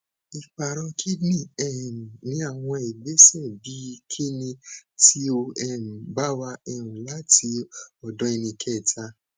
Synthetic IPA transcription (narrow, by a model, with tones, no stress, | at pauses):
i˨k͡pa˨ɾ̃ɔ̃˧kʰi˦nĩ˦˨ɛ˦˨nĩ˨˦a˦˨w̃ɔ̃˧e˨ɡ͡be˨˦sɛ˦˨bi˦˧kʰe˦nĩ˧ti˦o˧ɛ˦˨m̩˨ba˦wa˧ɛ˧ɾũ˨la˦ti˧ɔ˨dɔ̃˧˦e˧nĩ˧kʰɛ˦˨tʰa˧˦